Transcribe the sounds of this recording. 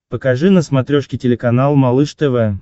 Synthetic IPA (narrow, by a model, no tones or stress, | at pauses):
pəkaʐɨnəsmɐt̪ɾʲoʂkʲɪtʲɪlʲɪkɐnalˠmɐlˠɨʂt̪ɛvɛ